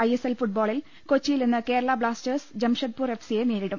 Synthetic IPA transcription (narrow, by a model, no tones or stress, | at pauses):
ɐjeselfuʈ̚boːɭil | kot͡ɕːijilninːɨke̞ːɾɐɭɐbɭaːstɐrsd͡ʑɐmʂɐt̪̚puːre̞fsijeniːɾiɽum